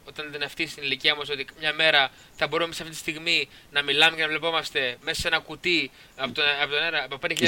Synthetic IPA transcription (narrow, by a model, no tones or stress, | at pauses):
o̞t̪ɐniðɐneɐft̪ist̪iniliciɐmɐso̞t̪ikɐmɲɐme̞ɾɐ | θɐbo̞ɾumemisɐft̪it̪ist̪iɣmi | nɐmilɐmecenɐvle̞po̞mɐst̪e̞mesɐse̞nɐkut̪i | ɐpot̪ɐpot̪oneɾɐpopend̪eçiʎ